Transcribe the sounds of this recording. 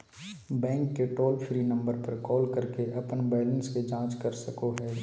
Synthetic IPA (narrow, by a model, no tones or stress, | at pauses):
bɛ̃ːŋkːeʈoːlfʰɾiːnɐ̃mbəɾpɐɾkɔːlkɐɾkeʔɐpənbɛːlə̃nsked͡ʒãːt͡ʃkɐɾsɐkoɦɛː